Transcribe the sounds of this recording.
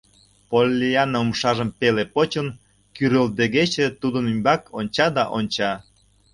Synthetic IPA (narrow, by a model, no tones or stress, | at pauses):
polʲːiɑnəumʃɑʒəmpelepot͡ɕən | kyɾøld̪eɣet͡ɕet̪ud̪ənymʲbɑkonʲt͡ɕɑd̪ɑʔonʲt͡ɕɑ